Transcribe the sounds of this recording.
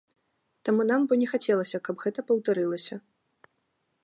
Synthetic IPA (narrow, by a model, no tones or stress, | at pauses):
t̪amunambɔnʲɛxat͡sʲɛlˠɐsʲɐkɐbɣɛt̪ɐpɐwt̪aɾɨlˠɐsʲɐ